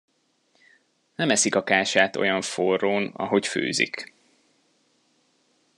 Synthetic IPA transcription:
nɛmɛsikɒkaːʃaːt̪o̞̰jɒɱforːoːnɒ̰ɦo̞cfø̰ːzḭk

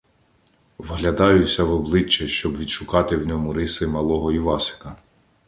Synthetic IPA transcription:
ʋɦlʲɐd̪ɑjʊsʲɐʋɔblˠɪt͡ʃːɛʃt͡ʃɔbʋʲid̪ʃʊkɑt̪ɪwnʲɔmʊɾɪsɪmɐlˠɔɦɔiʋɑsɪ̥kɐ

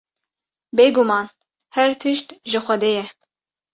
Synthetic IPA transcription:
beːɡumɑːn | hɛɾt̪ʰɨʃt̪ʒɨxʷɛd̪eːjɛ

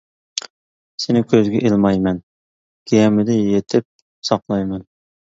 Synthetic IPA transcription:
senɪkʲʰøzɡʲɛʔilˠmɑjmɛn | kʲʰijɛmɪd̪ɪjet̪ʰɪp̚ | sɑqlˠɑjmɛn

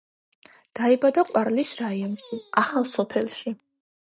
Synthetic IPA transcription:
d̪̥aibad̪aqʼwaɾlisɾaiɔnʃiaχalˠsɔpʰɛlˠʃi

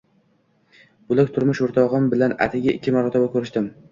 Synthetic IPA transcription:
bʊlˠak̚ʲt̪ʰʊɾmɪʃoɾt̪ʰɒʁɨmbɪlana̰t̪ʰaɡʲaɪkʲːɪmaɾɒt̪ʰabakʰɵɾɪʃt̪ɪm

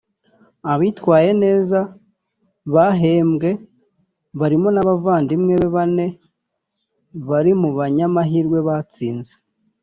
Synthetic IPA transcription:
aβiːtwaːje̞ne̞ːza | βaɦe̞ːmɡe̞ | βaɾimo̞naβavaːndimŋe̞βeβane̞ | βaɾimuβaɲamaɦiːɾɡwe̞βat͡siːnze̥

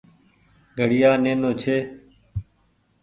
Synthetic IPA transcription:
ɡʱəɽɪjaːneːnoːt͡ʃʰeː

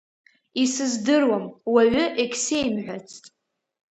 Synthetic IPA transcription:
isɨzdɨrwamwaɥʷʊʔekʲʰsejmħʷᶣat͡sʰtʼ

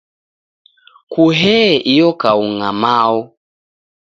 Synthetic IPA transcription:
kuɦɛʔijɔkauŋamaɔ

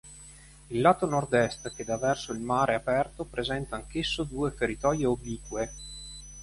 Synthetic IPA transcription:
ilːaːt̪onord̪ɛst̪k̟ed̪avːɛrsoilmaːɾʔeapɛrt̪opɾezɛnt̪aːŋk̟esːod̪uːeferit̪ɔjeobiːkwe

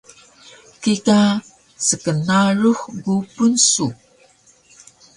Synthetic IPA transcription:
kika | səkənaruxɡupunsu

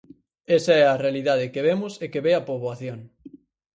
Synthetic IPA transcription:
esaɛarealiðað̞ekeβ̞emosekeβeapoβwaθjoŋ

